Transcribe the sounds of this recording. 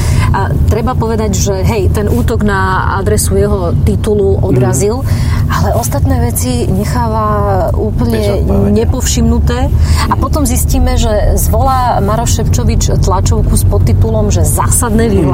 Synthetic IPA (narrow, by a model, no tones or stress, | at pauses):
t̪ɾɛbapɔʋɛd̪aɟʒɛɦɛjt̪ɛnʔuːt̪ɔɡna | a̰d̪ɾɛsujɛɦɔt̪it̪uluʔɔd̪ɾazil | ʔalɛʔɔst̪at̪nɛːʋɛt͡si | ɲɛxaːʋa | uːpl̩ɲɛɲɛpɔfʃimnut̪ɛːapɔt̪ɔmzisciːmɛʒɛzʋɔlaː | maɾɔʃʃɛpt͡ʃɔʋit͡ʃt̪lat͡ʃɔʊkuspɔt̪ːit̪ulɔmʒɛzaːsad̪nɛːʋil